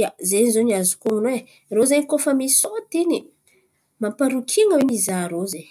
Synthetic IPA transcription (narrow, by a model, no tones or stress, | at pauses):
azenizoniazukoŋunwe | rozeɲikofəmisot̪ini | mampaɾukʰiŋawenizaɾoze